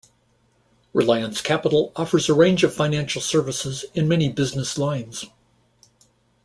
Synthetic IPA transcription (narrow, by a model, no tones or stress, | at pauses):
ɹɨ̰laɪə̃nskʰæpəɾl̩ˠɔfə˞zəɹẽɪ̃nd͡ʒʌv̥fãɪ̃næ̃nʃl̩ˠsɜ˞vəsɪzɨ̃nmɛnibɪznɨslãɪ̃nz̥